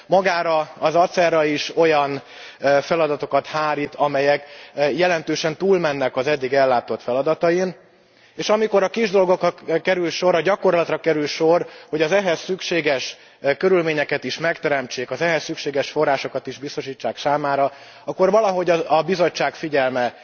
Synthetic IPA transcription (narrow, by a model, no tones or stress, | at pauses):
mɒɡaːɾɒːzɒt̪sɛrɒiʃo̞jɒn | fɛlɒd̪ɒt̪o̞kɒt̪haːɾit̪ʰɒmɛjɛkjɛlɛnt̪øːʃɛnt̪uːlmɛnːɛkɒzɛd̪ːiɡɛlːaːt̪o̞t̪fɛlɒd̪ɒt̪ɒjin | eːʃɒmiko̞ɾɒkiʒd̪o̞lɡo̞krɒkɛɾylʃo̞ɾɒɟɒko̞rlɒt̪rɒkɛɾylʃo̞rhoɟɒzɛɦɛsːykʃeːɡɛʃ | kø̞ɾylmeːɲɛkɛt̪iʃmɛkt̪ɛɾɛmt͡ʃeːkɒzɛɦɛsːykʃeːɡɛʃfo̞rːaːʃo̞kɒt̪iʒbist̪o̞ʃiːt͡ʃːaːksaːmaːɾɒ | ɒkːo̞rvɒlɒɦo̞ɟɒɒbizo̞t͡ʃːaːkfiɟɛlmɛ